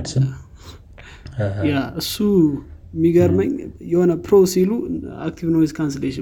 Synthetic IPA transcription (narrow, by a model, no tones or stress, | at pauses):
jaɨsːu | miɡəɾməɲjɛhonəpɾosilua̰k̚t̪ʰivnoizkʰans̬eleʃə